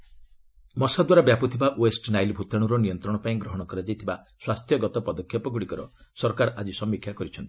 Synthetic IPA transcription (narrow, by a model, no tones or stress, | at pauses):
mɔsad̪waɾabjapɔt̪ʰibaʔwesʈnajlbʱut̪aɽ̃uɾɔniɔnt̪ɾɔɽ̃ɔpaĩɡɾɔɦɔɽ̃ɔkɔɾad͡ʒajt̪ʰiba | swast̪ʰjɔɡɔt̪ɔpɔd̪ɔkʰjɔpɔɡuɽikɔɾɔsɔɾkaɾʔad͡ʒisɔmːikʰjakɔɾit͡ʃʰɔnt̪i̥